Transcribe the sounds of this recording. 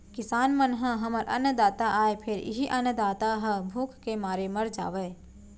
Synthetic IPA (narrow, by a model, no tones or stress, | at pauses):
kɪsaːnmənɦə̃ɦɐməɾʔɐ̰nd̪aːt̪aʔaːepʰɪɾɪ̰ɦiʔɐnd̪aːt̪aɦə̃bʱuːkʰkemaːɾemɐɾd͡ʒa̰ːʋeː